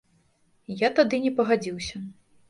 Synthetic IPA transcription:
jat̪ad̪ɨnʲɛpɐɣad͡zʲiwsʲɐ

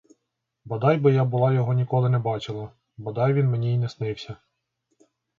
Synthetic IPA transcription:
bɐd̪ɑjbɪjɑbʊlˠɑjɔɦɔnʲikɔlˠɪnɛbɑt͡ʃɪlˠɐ | bɐd̪ɑjʋʲinmenʲiːnɛsnɪwsʲɐ

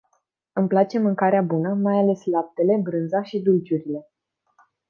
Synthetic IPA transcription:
ɨmplat͡ʃe̞mɨŋkaɾeabunəmajale̞slap̚t̪e̞le̞bɾɨnzaʃid̪ult͡ʃuɾile̞

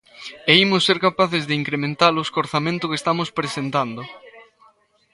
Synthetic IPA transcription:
eimʊsːeɾkapaθɪzðɪiŋkɾemẽnt̪alʊskoɾθamẽnt̪ʊkest̪amʊspɾesent̪and̪ʊ

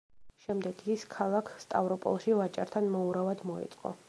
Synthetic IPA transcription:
ʃɛmd̪ɛɡiskʰalˠakʰst̪ʼa̰vɾɔpʼɔ̰lˠʃivat͡ʃʼaɾt̪ʰanmɔuɾavad̪mɔḭt̪sʼqʼɔ̰

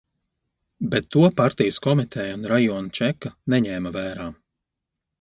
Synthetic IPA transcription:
bet̪ːuɔpaɾt̪ijəskɔmit̪ʰɛjunɾajɔːnt͡ʃɛkːanɛɲɛːmavæːɾaː

